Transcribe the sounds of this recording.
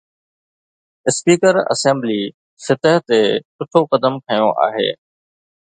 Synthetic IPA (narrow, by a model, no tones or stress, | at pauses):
ɪspiːkəɾɐ̰sẽːmbliː | sɪt̪əɦt̪esʊʈʰokɐd̪əmkʰɐjõʔa̰ːɦḛː